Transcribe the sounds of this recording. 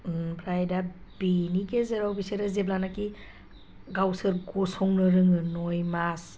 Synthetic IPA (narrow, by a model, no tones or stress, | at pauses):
pʰɾajdabinikezeɾawbiseɾezeblanaki | ɡawsɯɾɡɔsɔŋnɯɾɯŋɯnɔjmas